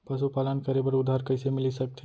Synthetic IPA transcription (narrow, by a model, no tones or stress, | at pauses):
pəsupalənkəɾebəɾud̪ʱːaɾkəjsemilisək̚t̪ʰi